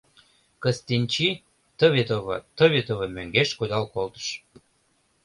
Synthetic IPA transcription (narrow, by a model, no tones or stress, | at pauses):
kəst̪inʲt͡ɕi | t̪əβet̪oβə̰t̪əβet̪oβəmøŋɡeʃkod̪ɑlkolt̪ə̥ʃ